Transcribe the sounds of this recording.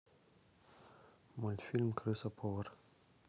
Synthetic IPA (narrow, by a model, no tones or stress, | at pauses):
mult̪ʲfilmʲkɾɨsapʰor